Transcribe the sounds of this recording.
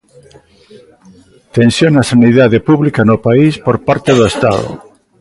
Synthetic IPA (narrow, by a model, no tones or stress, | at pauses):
t̪ẽnsjonasaniðaðepuβlikanopaispoɾpaɾt̪eðoest̪a̰ðo̰